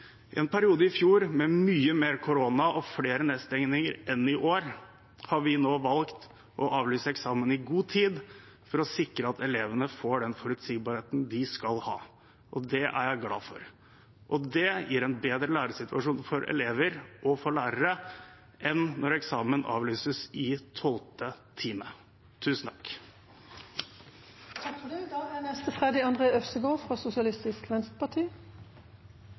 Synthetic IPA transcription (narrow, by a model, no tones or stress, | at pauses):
ɪʔɛnpʰæɾɪuːd̪əɪfjuːɾmɛmyːəmeːɾkʰʊɾoːnɑʔɔfleːɾəneːd̪st̪ɛŋnɪŋəɾɛnɪʔoːɾ | hɑɾʋɪnoːʋɑlkt̪ | ʔɔʔɑːʋlyːsəɛksɑːmənɪɡuːt̪ʰiːd̪ | fɔɾɔsɪkɾəɑt̪ɛleːʋənəfoːɖɛnfɔɾʉt̪siːɡ̚bɑɾheːt̪n̩d̪ɪskɑlhɑ̰ː | ʔɔd̪ɛʔæ̰ɾjæɪɡlɑ̰ːfɔɾ | ʔɔd̪ɛjʔiːɾɛnbeːd̪ɾəlæːɾəsɪt̪ʰʉɑʂuːnfɔɾʔɛ̰leːʋəɾʔɔfɔɭæːɾəɾə | ʔɛnːɔɾɛksɑːmənʔɑ̰ːʋlyːsəsɪt̪ʰɔlt̪ət̪ʰiːmə | t̪ʰʉːsn̩t̪ʰɑ̥k | t̪ʰɑkfɔɖɛd̪ɑːænɛst̪əfʁɛd̪ɪɑnd̪ʁeːœfsəɡoːfʁɑːsʊsɪɑlɪst̪ɪskʋɛnst̪pʰɑʈʰiː